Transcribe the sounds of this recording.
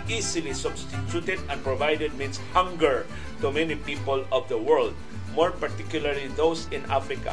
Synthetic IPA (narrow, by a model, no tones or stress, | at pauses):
isilisʊbst̪ɪt̪ut̪ɛd̪ɛ̃npɹɔvajdɛd̪̚mĩnshãŋɡəɹ | t̪umɛnipipɔlɔvd̪əwɜɹld̪̚ | mɔɹpaɹt̪ikjʊlaɹliðowsɪ̃na̰fɾɪka̰